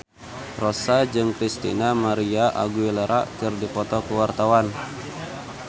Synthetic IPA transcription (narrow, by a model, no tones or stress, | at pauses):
rɔsad͡ʒɨŋkɾist̪ḭnamaɾiaʔa̰ɡuileɾʔa̰ʔkɨrdipɔt̪ɔkəwart̪awan